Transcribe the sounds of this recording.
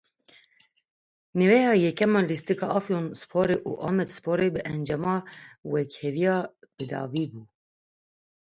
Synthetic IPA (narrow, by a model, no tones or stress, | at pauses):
nɨvɛjɑːjɛkɛmɑlist̪ikʰɑːʔɑfjonspʰoɾeʔṵʔɑ̰mɛd̪spʰoɾebɨʔɛnd͡ʒɛmɑːwɛkhɛvijɑːb̥ɨd̪ɑ̰ːviːbuː